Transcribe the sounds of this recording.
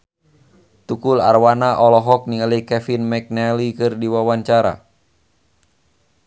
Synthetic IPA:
t̪ukula̰rwanaʔɔlɔɦɔk̚niŋalikɛfinmɛk̚nɛlikɨrdiwawaɲt͡ʃaɾa̰

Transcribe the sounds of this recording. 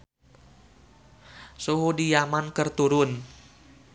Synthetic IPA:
suɦudijamankərt̪uɾʊn

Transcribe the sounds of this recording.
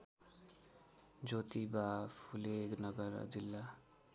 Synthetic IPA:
d͡ʒot̪ibapʰuleɡnʌɡʌɾ̰d͡zilːa

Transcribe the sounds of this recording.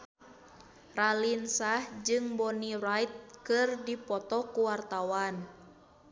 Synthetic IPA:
ralinsahd͡ʒɨŋbɔnirajt̪̚kɨrdipɔt̪ɔkuwart̪awan

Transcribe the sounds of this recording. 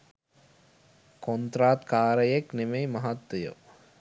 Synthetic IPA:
kont̪ɾaːt̪kaːɾəjeknemejmaɦat̪wejo̰

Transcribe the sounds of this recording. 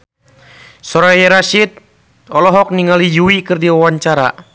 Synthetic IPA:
sɔɾajɛɾaʃit̪̚ | ɔlɔɦɔk̚niŋalijuikɨrdiwawaɲt͡ʃaɾa̰

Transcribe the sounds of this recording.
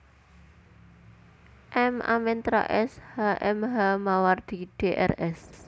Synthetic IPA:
ʔɛmʔa̰mɛnt̪ɾa̰ʔɛshaʔɛmɦamaward̪̥iɖ̥eʔɛ̰rɛs

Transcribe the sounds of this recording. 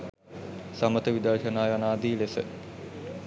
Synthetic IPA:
samət̪əʋid̪əɾʃənaːjɐnaːd̪iːlesə̰

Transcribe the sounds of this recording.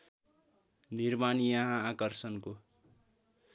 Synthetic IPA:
nirmanijaɦãːkʌrsʌnko

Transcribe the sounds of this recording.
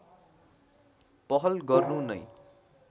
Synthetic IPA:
pʌɦʌlɡʌrnunʌ̰j

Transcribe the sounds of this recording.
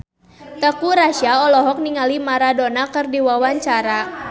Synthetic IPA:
t̪əkuɾaʃiaɔlɔɦɔk̚niŋalimaɾadonakɨrdiwawaɲt͡ʃaɾa

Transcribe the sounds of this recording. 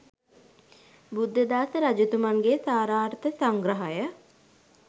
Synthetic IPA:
bud̪ːəd̪aːsəɾad͡ʒut̪umaŋɡesaːɾaːɾt̪əsaŋɡɾəɦajə

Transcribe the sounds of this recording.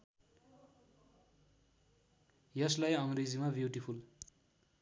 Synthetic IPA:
jʌslajʌŋrid͡zimabjuʈipʰul

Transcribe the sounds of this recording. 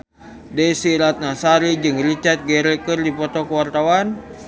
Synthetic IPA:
dɛsiɾat̪̚nasaɾid͡ʒɨŋrit͡ʃart̪̚ɡɛɾɛkɨrdipɔt̪ɔkəwart̪awan

